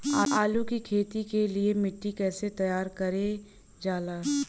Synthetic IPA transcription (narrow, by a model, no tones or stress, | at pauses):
aaːlukikʰeːt̪ikeliemɪʈːikɛːset̪ɐjaːɾkɐɾe | d͡ʒaːlaː